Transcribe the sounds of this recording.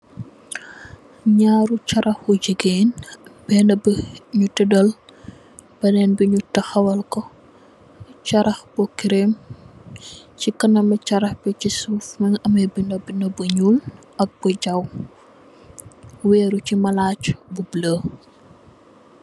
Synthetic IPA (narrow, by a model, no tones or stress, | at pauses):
ɲaːɾut͡ʃɐɾʔɐxuɟəɡeːnbɛːnɐbɲutɛdɐl | b̥ɐnɛnbiɲutɐxɐwɐlkɔ | t͡ʃɐɾɐxbɔkiɾem | cikɐnɐmɐt͡ʃɐɾɐxbɛcisuːfmɐŋɐmɐjbinɐbinɐbəɲul | ʔɐk̚bɔɟɐw | wɛːɾucimɐlaːcbubləː